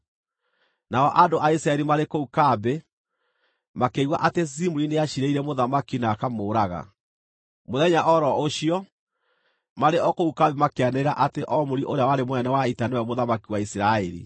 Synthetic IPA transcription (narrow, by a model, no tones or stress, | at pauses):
naɔʔadoʔaisɾaɛɾimaɾekoukabe | makeiwa̰ʔatesimuɾineaɕiɾeiɾɛmoðamakinakamoːɾaɣa̰ | moðɛɲaʔɔɾɔoɕiɔ | maɾeʔɔkoukabemakeanɛɾaʔateʔɔmoɾiʔoɾeawaɾemwɛnawaitanewɛmoðamakiwaisiɾaɛɾḭ